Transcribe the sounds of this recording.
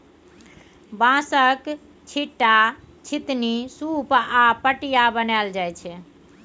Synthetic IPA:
bãsək | t͡ʃʰiʈːa | t͡ʃʰit̪nisupapəʈijabənald͡ʒajt͡ʃʰɛ

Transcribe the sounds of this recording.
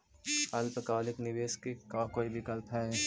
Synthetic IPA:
ɐlpəkaːlɪknɪʋeːskekãkoːibʱɪkəlpɦɛ̃

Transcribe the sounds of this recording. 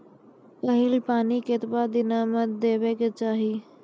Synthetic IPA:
kəɦɪlpaːniket̪bad̪ɪnamət̪̚d̪eːbeket͡ʃaːɦi

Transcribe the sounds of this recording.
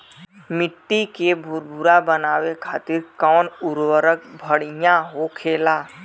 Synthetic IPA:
mɪʈ̪ːikebʱʊɾbʱʊɾabənaːwekʰaːt̪ɪɾkɔːnʊɾwəɾək̚bʱəɽɪjãɦokʰeːlaː

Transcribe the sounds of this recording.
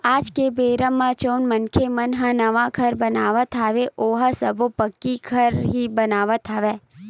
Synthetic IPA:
aːd͡ʒkebeːɾəmːãt͡ʃoːnmənkʰemɐnɦə̃nɐʋaɡʱɐɾbɐnaːʋət̪ʰaːʋeʔoːɦasɐbopəkːiɡʰʱəɾɦibənaːʋət̪ʰaːʋeː

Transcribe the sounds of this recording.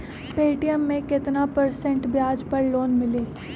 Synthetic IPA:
peːʈijəmːẽkɪt̪napɐɾsɛ̃ɳʈbjaːd͡ʒpɐɾloːnmɪleː

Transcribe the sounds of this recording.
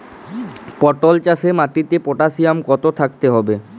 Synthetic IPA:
pɔʈolt͡ɕasemaʈit̪epoʈasiamkɔt̪ot̪ʰak̚t̪eɦɔbe

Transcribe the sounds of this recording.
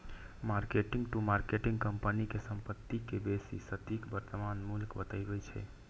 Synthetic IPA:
maɾkeʈiŋɡʈumaɾkeʈĩŋɡkəmpənikesəmpət̪ːikebesḭsət̪ikbəɾt̪əmanmulkbət̪əɪbɛt͡ʃʰɛ̰

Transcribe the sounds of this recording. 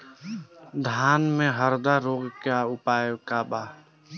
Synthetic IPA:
d̪ʱaːnmẽɦəɾd̪aɾoːɡkaʊpaːjkabaː

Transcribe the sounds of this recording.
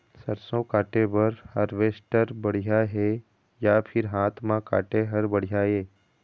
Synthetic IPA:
səɾsõkaːʈebɐɾhɐɾʋeːsʈəɾbəɽ̤ijaɦe | japʰɪɾɦaːt̪ʰmãka̰ːʈeɦɐɾbəɽ̤ijaɦeː

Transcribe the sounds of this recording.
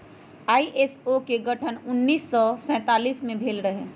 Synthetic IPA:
aːiʔeːsokeɡɐʈʰənʊnːiːsːɔsɛ̃ːt̪aːliːsmẽbʱeːlɾəɦe

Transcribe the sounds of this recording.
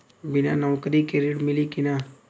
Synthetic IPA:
bɪnanɔːkɾikeɾiʈmɪlikina

